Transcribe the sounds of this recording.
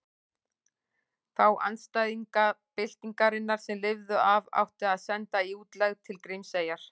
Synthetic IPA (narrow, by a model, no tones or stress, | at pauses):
θawʔa̰nst̪ajðiŋkapɪl̥t̪iŋkaɾɪnːaɾ̥sɛmlɪvðʏʔava̰wht̪ɪaðsɛnt̪aiuːt̪lɛɣt̪ʰɪlkɾɪjmseːjaɾ̥